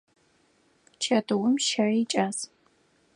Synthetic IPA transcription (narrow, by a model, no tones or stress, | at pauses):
t͡ʃʰɐdɨwʊmʃaːit͡ʃʼaːz